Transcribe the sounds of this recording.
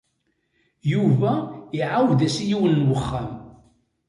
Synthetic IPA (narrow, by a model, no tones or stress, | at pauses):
juvæiʕawðæsijiwənːwəχːæm